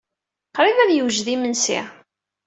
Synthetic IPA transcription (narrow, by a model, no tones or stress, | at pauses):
qɾˤiðæðjəwʒðimənsḭ